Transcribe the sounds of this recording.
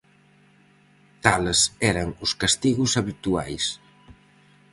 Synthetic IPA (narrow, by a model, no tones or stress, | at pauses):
t̪alsɛɾaŋuskast̪iɣusaβit̪ua̰js